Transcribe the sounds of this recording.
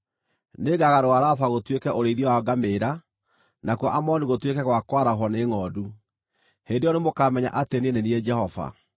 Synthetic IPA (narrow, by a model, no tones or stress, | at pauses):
neɡaɣaɾoaɾaθaɣotwekɛʔoɾeiðjɔwaɡameɾa | nakɔʔamɔniɣotwekɛɣwakwaɾaɦɔneŋɔːdu | hendejɔnemokamɛɲa̰ʔateneneniɛd͡ʒɛhɔva̰